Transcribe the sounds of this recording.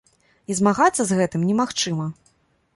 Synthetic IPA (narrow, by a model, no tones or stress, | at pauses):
izmaɣat̪sːɐzɣɛt̪ɨmnʲɛmaxt͡ʂɨmɐ